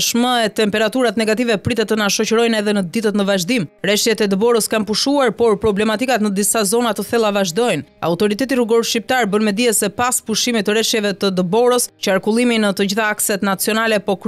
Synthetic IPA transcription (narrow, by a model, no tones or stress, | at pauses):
ʃməɛt̪ɛmpɛɾat̪uɾat̪nɛɡat̪ivɛpɾit̪ɛt̪ːənaʃɔcəɾɔjnɛðɛnəd̪it̪ət̪nəvaʒd̪imɾɛʃjɛt̪ɛd̪əbɔɾəskanpuʃuaɾpɔɾpɾɔblɛmat̪ikat̪nəd̪isazɔnat̪əθɛlˠavaʒd̪ɔjna̰ut̪ɔɾit̪ɛt̪iruɡɔɾʃip̚t̪aɾbənmɛd̪iɛsɛpaspuʃimit̪əɾɛʃjɛvɛt̪əd̪əbɔɾəst͡ʃəaɾkulˠiminət̪əd͡ʑiθaaksɛt̪nat͡siɔnalɛpɔk